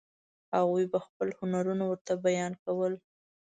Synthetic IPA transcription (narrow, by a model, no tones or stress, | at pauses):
haɣujbaxpəlhʊnaɾunawəɾt̪abajɑnkawəl